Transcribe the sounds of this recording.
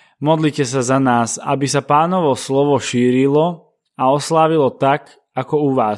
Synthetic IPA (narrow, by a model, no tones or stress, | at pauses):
mɔd̪liːcɛsazanaːsa̰bisapaːnɔʋɔslɔʋɔʃiːɾilɔ | aɔslaːʋilɔt̪ak | akɔuʋaːs